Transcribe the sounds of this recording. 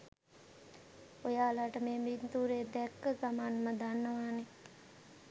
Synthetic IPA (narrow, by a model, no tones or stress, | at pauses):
ojaːlaʈəmeːmint̪uːɾed̪ɛkːəɡamanməd̪anːəʋaːne